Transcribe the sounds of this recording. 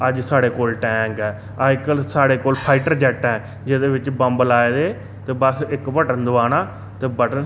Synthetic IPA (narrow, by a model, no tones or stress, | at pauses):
əd͡ʒsaːɽeːkoːlʈɛ̃ːŋkɛː | aːjkəlsaːɽeːkoːlpʰaːɪʈəɾd͡ʒɛːʈɛ̃ː | d͡ʒɪd̪eːʋɪt͡ʃbəmbəlaːeːd̪eː | t̪eːbəsɪkbəʈənd̪ʊʋaːnaː | t̪eːbəʈən